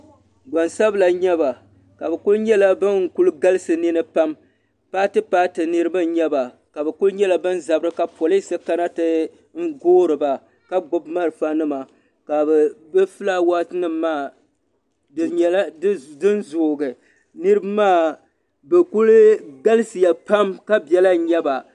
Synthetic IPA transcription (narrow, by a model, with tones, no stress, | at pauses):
ɡ͡ba˨nsa˦bla˨ɲɛ˦ba˨ | ka˨bɛ˨kʊ˦lɲɛ˦la˦bɨ˦ŋ˨ku˦lɡa˦lɨ˦sɨ˨nɪ˦nɨ˦pa˦m | paː˦tɨ˦paː˦tɨ˨nɨ˦ɾɨ˦ba˦ɲɛ˦ba˨ | ka˨bɛ˨kʊ˦lɲɛ˦la˨bɨ˦nza˨bɨ˦ɾɨ˦ka˨pɔ˨lɨ˦sɨ˦ka˦na˦tɨ˦ | ŋ̩˦ɡoː˦ɾɨ˨ba˨ | ka˦ɡ͡bʊ˦bma˦ɾɨ˨fa˦nɨ˦ma˨ | ka˨bɛ˨bɛ˦fɨ˦la˦wa˦tɨ˦nɨ˦mː˦aː˦˨ | ɲɛ˦ldɨ˦n˦zoː˨ɡɨ˨ | nɨ˦ɾɨ˦bɨ˦maː˦˨ | bɨ˨ku˦lɡa˦lɨ˦sɨ˨ja˨pa˦mka˦bɛ˦la˦ɲɛ˦ba˨